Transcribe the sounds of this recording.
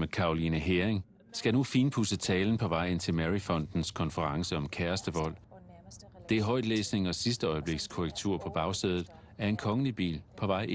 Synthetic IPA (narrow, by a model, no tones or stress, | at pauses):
mekʰɑ̈olinəɦeɐeŋ | sɡ̥ænufiːnpʰusət͡sʰɛːln̩pʰɒ̽ʋɑ̈ɪ̰e̝n̰t͡sʰe̝lmæʁifɒ̽n̰d̥n̩skʰɒ̽nfəʁɑ̈ŋsəɒ̽mkʰæɐsd̥əʋɒ̽l̰ | d̥e̝ɦɒ̽ɪ̰d̥lḛːsne̝ŋɒ̽sisd̥əɒ̽ɪəb̥le̝ɡ̥skʰoʁɛɡ̥t͡sʰuɐ̰pʰɒ̽b̥ɑ̈ʊseð̞ˠð̩ˠ | æɐe̝nkʰɒ̽ŋəlib̥ḭːlpʰɒ̽ʋɑ̈ɪ̰